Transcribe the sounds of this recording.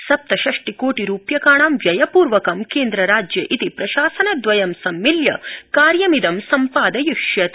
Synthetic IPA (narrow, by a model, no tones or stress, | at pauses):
sɐp̚t̪ɐʃɐʂʈikoːʈiɾuːpjɐkaːɳaːmʋjɐjɐpuːɾʋɐkɐmkeːnd̪ɾɐɾaːd͡ʒjɐʔit̪ipɾɐʃaːsɐnɐd̪ʋɐjɐmsɐmːiljɐ̰kaːɾjɐmid̪ɐmsɐmpaːd̪ɐjuʂjɐt̪